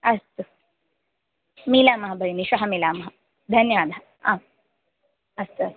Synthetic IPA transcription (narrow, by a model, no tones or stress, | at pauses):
ɐst̪u | miːlaːmɐɦɐbʱɐjiniʃɐɦɐmilaːmɐɦɐ | d̪ʱɐnjaːnɐɦɐ | a | ɐst̪uɐst̪